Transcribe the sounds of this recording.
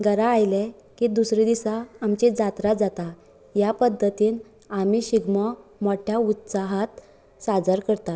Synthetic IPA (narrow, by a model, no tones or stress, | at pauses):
ɡəɾaːjlɛ | kid̪usɾed̪isaːmt͡ɕed͡zat̪ɾad͡zat̪a | japəd̪ʱːət̪iːn | amiɕiɡmɔmɔʈʰjaut̪saɦat̪ | sad͡zəɾkəɾt̪a